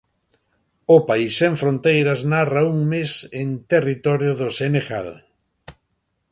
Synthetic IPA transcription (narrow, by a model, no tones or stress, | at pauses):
ʊpaisːẽɱfɾõnt̪ejɾɐznarauŋmesent̪erit̪ɔɾjoðoseneɣa̰l